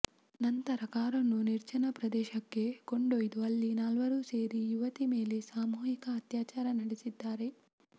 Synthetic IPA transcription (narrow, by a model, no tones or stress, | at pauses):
nɐnt̪ɐɾɐkaːɾɐnːuniɾt͡ʃɐnɐpɾɐd̪ɛːʃɐkːe̞koɳɖojd̪uɐlːinaːlʋɐɾuːse̞ːɾijuʋɐt̪ime̞ːle̞saːmuːjikɐːt̪jaːt͡ʃaːɾɐnɐɽesid̪ːaːɾe̞